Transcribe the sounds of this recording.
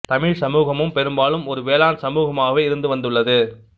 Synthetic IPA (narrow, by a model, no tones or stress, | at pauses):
t̪ɐmɪɻsɐmuːɣɐmɯmpɛɾɯmbaːlɯmɔɾɯʋeːlaːnsɐmuːɣɐmaːɣɐʋeːɪɾɯnd̪ɯʋɐnd̪ɯɭːɐðɯ